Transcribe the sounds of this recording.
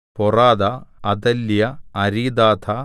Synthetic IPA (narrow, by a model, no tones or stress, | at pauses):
pɔraːd̪ɐːd̪ɐlːjɐɐɾiːd̪aːt̪ʰɐ